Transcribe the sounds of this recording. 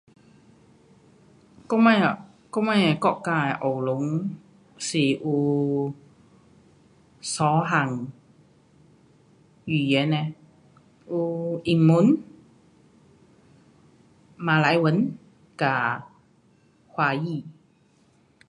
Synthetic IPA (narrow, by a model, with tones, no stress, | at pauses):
kɔ˥ma˧j | kɔ˥ma˦˧jɛ˧kɔ˧˨kːaː˧˨ʔo˨˩wlʊ˨˦ŋ | si˨˩ʔu˧ | sɔː˨˦ɦa˨˩ŋ | jyː˨˩jɛ˨˦nɛ˧ | ʔu˧ʔi˨˩ŋmu˨˦n | maː˨˧˦la˨˥jwə˨˥n | ka˨˩ | hwaː˧jiː˧˨